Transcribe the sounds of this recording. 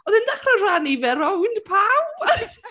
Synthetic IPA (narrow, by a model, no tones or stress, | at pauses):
ɔðɛndaχrɔnranivɛɾɔwndpʰaw